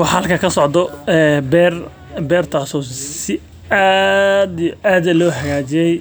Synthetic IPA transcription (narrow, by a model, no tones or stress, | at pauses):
wɑħhɐlkʰɐkʰɐsɔʕd̪ɔɛːbɛːr | bɛːrt̪ʰaːsɔːsɪ | ad̪ijɔʔaːd̪ɐlɔːhɐɣaːt͡ʃɪjɛj